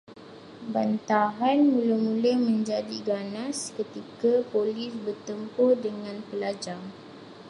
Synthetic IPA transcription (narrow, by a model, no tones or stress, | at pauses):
bant̪aɦanmuləmũləhmə̃ɲd͡ʒadiɡanaskət̪ikapolɪsbərt̪əmpʊrdəŋãnpəlad͡ʒaŋ